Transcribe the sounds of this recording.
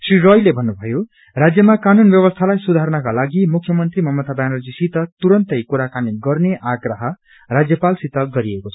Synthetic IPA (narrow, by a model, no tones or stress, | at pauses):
sriɾʌjlebʱʌnːubʱʌjo | rad͡zjʌmakanunbjʌβʌst̪ʰalajsud̪ʱaɾnʌkalaɡimukʰjʌmʌnt̪rimʌmʌt̪abjanʌld͡zisit̪ʌt̪uɾʌnt̪ʌjkuɾakanit̪ɡʌrneʔaɡrʌɦʌ | rad͡zjʌpalsit̪ʌɡʌɾiekot͡sʰʌ̥